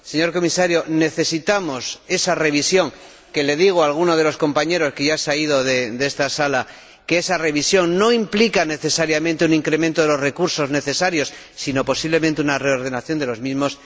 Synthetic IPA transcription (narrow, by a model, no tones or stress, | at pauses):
se̞ɲo̞ɾko̞misaɾjo̞ne̞θe̞sit̪amo̞se̞sare̞β̞isjo̞ŋ | ke̞le̞ðiɣ̞oalɣ̞unoð̞e̞lo̞sko̞mpaɲe̞ɾo̞skeʝasaiðo̞ðed̪e̞st̪asala | keesare̞β̞isjo̞ŋno̞implikane̞θe̞saɾjamẽnt̪euniŋkɾemẽnt̪o̞ðe̞lozre̞kuɾso̞zne̞θe̞saɾjo̞sːino̞po̞siβlemẽnt̪eunare̞o̞ɾð̞e̞naθjo̞nd̪e̞lozmizmo̞s